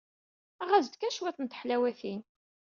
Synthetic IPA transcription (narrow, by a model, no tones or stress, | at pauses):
æʁæzd̪kæʃwæθənt̪ə̥ħlæwæθin